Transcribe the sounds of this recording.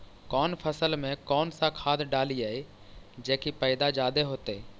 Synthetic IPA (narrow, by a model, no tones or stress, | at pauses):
kɔːnpʰəsəlmẽkɔːnsakʰaːd̪ɖaːliae | d͡ʒeːkipɛɪd̪ad͡ʒaːd̪eɦoːt̪ɛː